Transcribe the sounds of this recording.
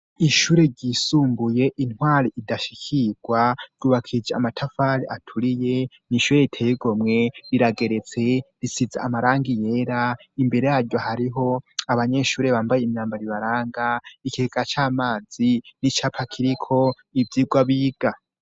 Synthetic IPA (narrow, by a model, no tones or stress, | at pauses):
iʃuːɾe̞ɾɟisuːmbuje̞ʔin̥hwaːɾiʔidaʃi̥kʰiɡ̥waɾ̥uːβakʰid͡ʒea̰matʰafaɾiatʰuɾije̞ | niʃuːɾeitʰejeɡo̞mŋe̞ɾiɾaɡe̞ɾe̞t͡se̞ɾisiza̰ːmaɾaːŋɡije̞ːɾaimbe̞ɾe̞haɾɟohaɾiɦo̞aβaɲe̞ʃuːɾe̞βaːmbajeimɲaːmbaɾiβaɾaːŋɡaikieɡat͡ʃaːmaːz̥init͡ʃapʰakʰiɾikʰo̞ | ivjiːɡwaβiːɡ̥a